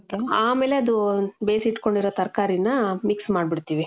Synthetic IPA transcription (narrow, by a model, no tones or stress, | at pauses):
keaːme̞ːleɐd̪ubeːsiʈːko̞ɳɖiɾoːt̪ɐɾkaːɾinːɐmiksmaːɖbiɽt̪iːʋi